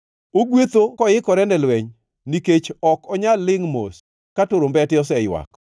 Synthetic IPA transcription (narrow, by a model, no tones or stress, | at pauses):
oɡwet̪okɔjɪkɔɾɛndɛlwɛɲ | niket͡ʃɔkɔɲalːɪŋmo̰s | katoɾombɛtɪɔsɛjwa̰k